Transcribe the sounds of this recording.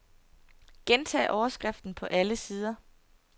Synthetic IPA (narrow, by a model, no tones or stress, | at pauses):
ɡ̥ent͡sʰɛ̰ːʔɒʊɐsɡ̥ʁɛfd̥n̩pʰɒ̽ʔæləsiːð̞ˠɐ